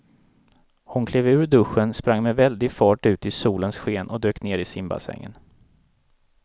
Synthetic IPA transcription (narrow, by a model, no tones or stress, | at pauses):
hʊnkʰleːvʉ̟ːɾɖɵɧənspɾaŋːmɛvɛld̪ɪfɑːʈʉ̟ːt̪ɪsuːlənsɧeːnɔd̪øːkneːɾɪsɪmba̰sɛ̰ŋːə̰n